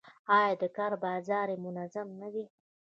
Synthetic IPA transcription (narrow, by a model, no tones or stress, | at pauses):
ɑjɑd̪əkɑɾbɑzɑɾemʊnazamnawi